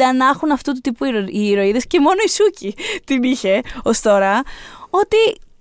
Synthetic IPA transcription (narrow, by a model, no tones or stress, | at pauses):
ɐnɐxunɐft̪ut̪ut̪ipuɾiɾo̞iðe̞sce̞mo̞no̞isucit̪iniçe̞o̞st̪o̞ɾɐo̞t̪i